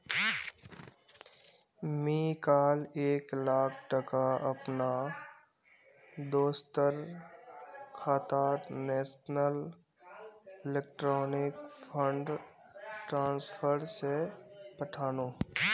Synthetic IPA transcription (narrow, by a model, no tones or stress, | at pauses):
miːkaːleːklaːkʰʈəkaɐpna | d̪oːst̪əɾ | kʰaːt̪aːtnɛːsnəl | ɪleːk̚ʈɾɔːnɪkpʰə̃ɳɖ | ʈɾãːnspʰəɾsepəʈʰaːnõː